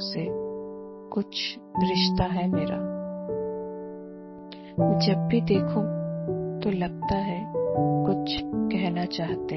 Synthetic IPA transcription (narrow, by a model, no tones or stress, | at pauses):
se | kʊt͡ʃʰ | ɡɾɪʃt̪aɦɛmeːɾa̰ː | d͡ʒɐbbʱid̪eːkʰũt̪olɐɡ̚t̪aɦɛkʊt͡ʃʰkɛɦnat͡ʃaːɦt̪e